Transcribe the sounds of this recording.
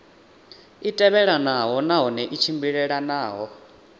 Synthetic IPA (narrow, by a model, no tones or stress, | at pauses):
itʼɛβɛɺanaɦɔnaɦɔnɛʔit͡ʃʰimbiɺɛɺanaːɦɔ